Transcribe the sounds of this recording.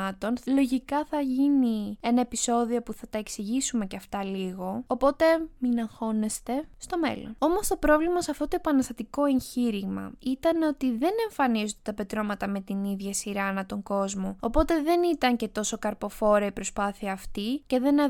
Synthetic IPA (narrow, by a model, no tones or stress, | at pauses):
ɐt̪o̞nlo̞ʝikɐθɐʝinie̞nɐe̞piso̞ðio̞puθɐt̪ɐe̞ksiʝisume̞ceɐft̪ɐliɣo̞opo̞t̪e̞minɐŋxo̞ne̞st̪e̞st̪o̞me̞̰lo̰no̞mo̞st̪opɾo̞vlimɐsɐft̪o̞t̪oepɐnɐst̪ɐt̪iko̞e̞ɲçiɾiɣmɐ̰it̪ɐno̞t̪iðe̞ne̞ɱfɐnizod̪et̪ɐpe̞t̪ɾo̞mɐt̪ɐme̞t̪iniðʝɐsiɾɐnɐt̪o̞ŋɡo̞zmoopo̞t̪e̞ðe̞nit̪ɐɲce̞t̪o̞so̞kɐɾpo̞fo̞ɾɐipɾo̞spɐθiɐːft̪ice̞ðe̞nɐ